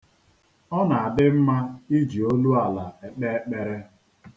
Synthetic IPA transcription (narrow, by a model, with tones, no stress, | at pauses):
ɔ˦na˨a˨dɪ˦m̩˦ma˦i˦d͡ʒi˨o˦lu˦a˨la˨e˨k͡pe˦e˦k͡pe˨ɾe˦